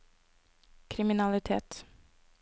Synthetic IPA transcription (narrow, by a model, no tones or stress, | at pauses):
kʰɾɪmɪnalɪt̪ʰḛːt̪